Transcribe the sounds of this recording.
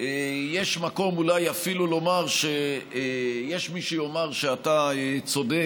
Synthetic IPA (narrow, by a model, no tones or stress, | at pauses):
ejeʃmako̞mulajafilulo̞maʁʃe | jeʃmiʃejo̞maʁʃeataet͡so̞d̪e